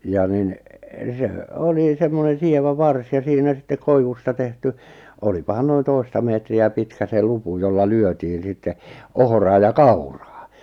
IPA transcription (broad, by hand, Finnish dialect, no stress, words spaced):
jɑ nin se oli semːonen̞ sieʋæ ʋɑrs jɑ siːnæ sitːe koiʋustɑ tehty olipɑhɑn noin toistɑ meːtriæ pitkæ se lupu jolːɑ lyøtiːn̞ sitːe ohŏrɑː jɑ kɑurɑː